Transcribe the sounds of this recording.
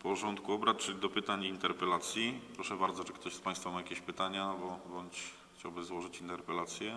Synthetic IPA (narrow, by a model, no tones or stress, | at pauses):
pɔʐɔnt̪kuɔbɾat̪t͡ʂɘlʲid̪ɔpɘt̪aɲint̪ɛɾpɛlat̪sʲjipɾɔʂɛbaɾd̪zɔt͡ʂɛkt̪ɔɕspajst̪famajakʲeɕpɘt̪aɲabɔbɔɲt͡ɕ | xt͡ɕawbɘzwɔʐɘt͡ɕint̪ɛɾpɛlat̪sʲjɛ